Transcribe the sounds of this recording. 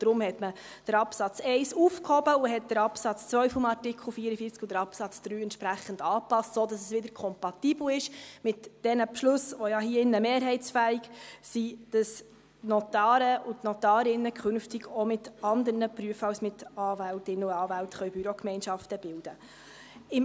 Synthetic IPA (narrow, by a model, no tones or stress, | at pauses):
d̥ɾʊmhɛtmə | d̥əɾɑpsɑt͡sɛɪsufkhɔbəʊɦɛt̚d̥əɾɑpsɑt͡st͡sʋœɥfʊmɑɾtɪkχl̩ˠfiːəɾəfiːɾt͡skʊdəɾɑpsɑt͡sd̪̥ɾyːɛntʃpɾæχːəndɑːpɑstsodɑsɛsʋɪdəɾkʰɔmpɑt̪iːbl̩ɪʃmɪtd̥ɛnəpʃlʊsʋɔjɑɦiəɪnːəmeːɾɦɛɪt͡sfæiɡsid̥ɑs | nɔt̪ɑːɾəʊtnɔtɑːɾɪnːəkʰχʏnftiɡɔmɪtɑnd̪əɾnəpɾyəfɑlsmɪtɑːvæltɪnəʊɑːvæltχœɥbyɾɔkmɛɪnʃɑftəb̥ɪld̥ə | ɪm